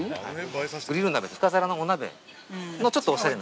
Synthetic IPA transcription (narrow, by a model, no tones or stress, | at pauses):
ha̰iɡɯ̟ɾʲiɾɯnabe̞t̪ohɯ̥kazaɾanoːnabe̞̰ | no̞t͡ɕo̞t̪ːoːɕaɾe̞na